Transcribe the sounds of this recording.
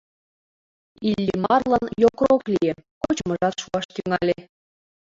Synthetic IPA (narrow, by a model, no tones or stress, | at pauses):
ilʲːimɑrlənjokroklʲijekot͡ɕmɤ̆ʒɑt̪ʃuɑʃt̪yŋɑlʲe